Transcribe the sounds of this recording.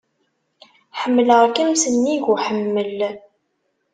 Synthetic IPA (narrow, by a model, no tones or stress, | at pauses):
ħəmːləʁkəmsənːiʝʊħəmːəl